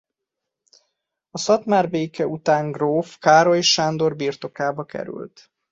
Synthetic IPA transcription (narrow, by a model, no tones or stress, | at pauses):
ɒsɒt̪maːrbeːkɛut̪aːŋɡroːfkaːɾoeʃʃaːnd̪o̞rbirt̪o̞kaːbɒkɛ̰ɾy̰lt̪